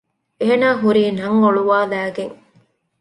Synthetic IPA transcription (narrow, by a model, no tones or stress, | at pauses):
eːnaːɦuɾiːnɐŋːoɭuʋaːlæːɡeŋ